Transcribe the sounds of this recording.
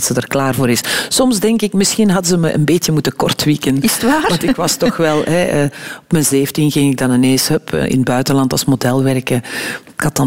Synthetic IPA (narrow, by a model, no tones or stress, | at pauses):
tsədərklaːrvoːɾɪssɔmzdɛŋkɪkmɪsxinɦɑdəzəməʔə̰nbeːtjəmutəkɔrtʋikənɪsʋaːʋɑnntɪkʋɑstɔxʋɛlˠɦɛəɔpmənzeːfntinɣɪŋɪɡ̚dɑnəneːsœpʰə̰ʔɪ̰nəd̚bœɥtənlɑntɑ̰lˠsmodɛlˠʋɛrkəɪkhɑtɑ